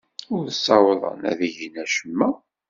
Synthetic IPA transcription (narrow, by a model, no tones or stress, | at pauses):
ʊɾθsːɑwðˤə̰næ̰ðiʝinæʃəmːæ